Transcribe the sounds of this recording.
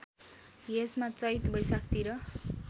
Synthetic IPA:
jesmat͡sʌjt̪bʱʌjsak̚t̪iɾʌ

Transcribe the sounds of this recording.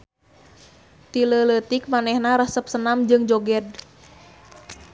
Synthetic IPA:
t̪ilələt̪ɪk̚manɛhnaɾəhsəp̚sənamd͡ʒɨŋd͡ʒoɡɛd̚

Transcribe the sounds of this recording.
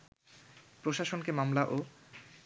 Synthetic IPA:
pɾoʃaʃonkemamlaʔo

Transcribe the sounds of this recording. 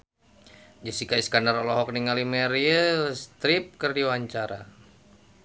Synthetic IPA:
d͡ʒəsikaiskanarɔlɔɦɔk̚niŋalimɛɾiəlst̪ɾip̚kərdiwaɲt͡ʃaɾa

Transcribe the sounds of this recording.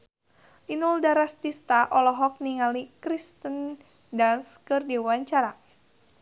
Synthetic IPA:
ʔinuldaɾast̪ist̪aʔɔlɔɦɔk̚niŋalikɾist̪ən | danskɨrdiwaɲt͡ʃaɾa

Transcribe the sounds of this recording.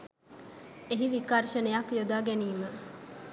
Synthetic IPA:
eɦiʋikaɾʃɐnejakjod̪aːɡeniːmə

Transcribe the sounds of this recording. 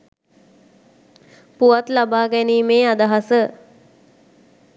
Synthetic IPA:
puʋat̪labaːɡæniːmeːad̪aɦasə

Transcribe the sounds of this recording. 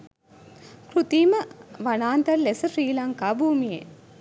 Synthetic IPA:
kɾut̪iːmɐʋɐnaːnt̪ɐɾlesɐɾiːlaŋkaːbʱuːmije

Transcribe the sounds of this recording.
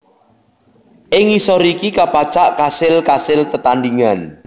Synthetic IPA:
ʔɪŋisɔɾikikapat͡ʃaʔkasɪlkasɪlt̪ət̪and̪iŋan

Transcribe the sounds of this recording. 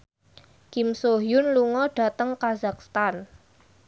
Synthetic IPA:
kimsoɦjʊnluŋɔɖ̥a̤t̪əŋkazak̚st̪an

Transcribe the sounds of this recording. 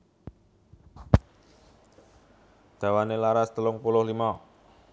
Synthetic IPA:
d̪̥a̤wanelaɾast̪əlʊŋpulʊhlimɔ

